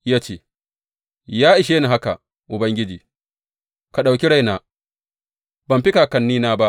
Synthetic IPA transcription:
jaː˦t͡ʃeː˨ | jaː˦ʔɪ˨ʃeː˦ni˨ɦa˦ka̰˨ | ʔʊ˨bɐ˦ŋɡʲɪ˦d͡ʒiː˨ | ka˨ɗa˨wkʲi˦ɽa˦jnaː˨ | bɐ˨mɸɪ˦kaː˨kɐ˨nːiː˦naː˦ba˦ʔ

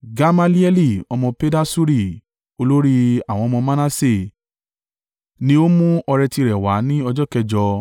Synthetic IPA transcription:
ɡa˧ma˧li˦ɛ˦li˦˨ɔ˧mɔ̃˧pe˦da˦su˦ɾi˦˨ | o˧lo˦ɾi˦a˨w̃ɔ̃˧ɔ˧mɔ̃˧mã˦nã˦se˦˨ | nĩ˦o˦mũ˦ɔ˧ɾɛ˧ti˧ɾɛ˨wa˨˦nĩ˦ɔ˧d͡ʒɔ˦kɛ˧˨d͡ʒɔ˧

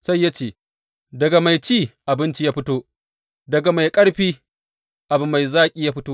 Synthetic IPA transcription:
sa˦jːa˦t͡ʃeː˨ | dɐ˨ɡa˨ma˨jt͡ʃiː˦˨ʔa˨bɪ˦nt͡ʃi˦jaː˦ɸɪ˦toː˦ | dɐ˨ɡa˨ma˨jkʼɐ˦ɽɸiː˦ | ʔa˨bʊ˨mːa˨jzaː˦kʲʼiː˦jaː˦ɸɪ˦toː˦

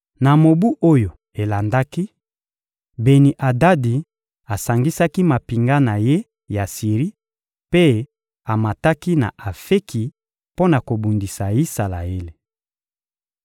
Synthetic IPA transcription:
na˨mo˨bu˦ʔo˦jo˨ | e˨la˨nda˦ki˦ | be˨ni˨ʔa˨da˦di˨ | a˨sa˨ŋɡi˦sa˦ki˦ma˨pi˨ŋɡa˦na˨je˦ | ja˨si˨ʁi˦ | pe˦ | a˨ma˨ta˦ki˦na̰˨a˨fe˦kʰi˨ | po˦na˨ko˨bu˨ndi˨sa˨i˦sa˨la̰˨e˦le˨

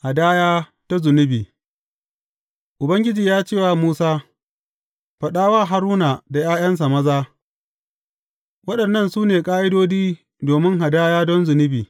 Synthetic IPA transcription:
ha˨daː˦jaː˦ | ta˦zʊ˨nɪ˦biː˨ | ʔʊ˨bɐ˦ŋɡʲɪ˦d͡ʒiː˨jaː˦t͡ʃeː˦˨waː˨muː˦saː˦ | ɸɐ˨ɗaː˦waː˦ɦa˦ɾuː˦na˨da˨jaː˦j̰ɐ˦ns̬a˨mɐ˦zaː˦ | wɐ˦ɗɐ˨nːɐ˦˨nsuː˦neː˨kʼaː˦ʔɪ˦doː˦d͡ʒiː˦ | doː˨mɪ˦ŋɦa˨daː˦jaː˦dɔ˦nzʊ˨nɪ˦biː˨

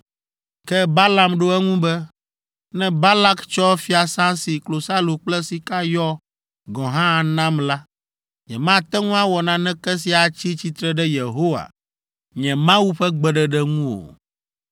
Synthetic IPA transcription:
kɛ˦ba˦la˨mɖo˦ɛ˦ŋũ˦bɛ˦ | nɛ̃˦ba˦la˦kt͡ʃɔ˦fi˦a˨sã˦si˨klo˨sa˦lo˨k͡plɛ˦si˨ka˦jɔ˦ | ɡɔ̃˨ɦã˦˨nã˦mla˦ | ɲɛ̰̃˨mã˦t̪ɛ˦ŋũ˦a˦wɔ˨nã˨nɛ̃˦kɛ˦s̬i˨a˨t͡ɕi˦t͡ɕi˦t̪ɾɛ˦ɖɛ˦je˨ɦo˦wa̰˨ | ɲɛ̃˨mã˦wu˦ɸɛ˦ɡ͡bɛ˨ɖɛ˦ɖɛ˦ŋũ˦wo̰˨

